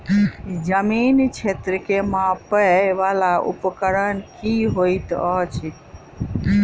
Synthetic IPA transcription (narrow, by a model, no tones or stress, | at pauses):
d͡ʒəmint͡ʃʰet̪ɾəkemãpəʋalaṵpkəɾənkiɦojt̪ət͡ʃʰi